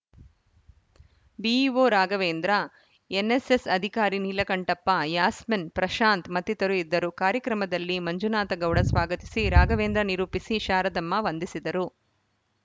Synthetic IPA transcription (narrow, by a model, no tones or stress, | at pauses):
biːʋoːɾaːɡɐʋeːnd̪ɾɐ | enːesesɐd̪ʱikaːɾinilɐkɐɳʈɐpːɐjaːsmɐnpɾɐʃaːnt̪mɐt̪ːit̪ɐɾuid̪ːɐɾukaːɾjɐkɾɐmɐd̪ɐlːimɐɲd͡ʒunaːt̪ɐɡɐwɽɐsʋaːɡɐt̪i̥siɾaːɡɐʋeːnd̪ɾɐniɾuːpisiʃaːɾɐd̪ɐmːɐʋɐnd̪isid̪ɐɾu